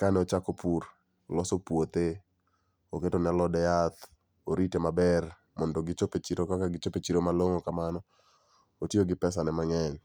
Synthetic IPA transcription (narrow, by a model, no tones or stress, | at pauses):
kanɛot͡ʃakopur | lɔsopwot̪e | oketonɛlɔdɛjat̪ | oɾitemabɛr | mɔndɔɡɪt͡ʃopet͡ʃiɾokakaɡɪt͡ʃopet͡ʃiɾomaloŋokamanɔ | otjoɡɪpɛs̬anɛmaŋɛɲ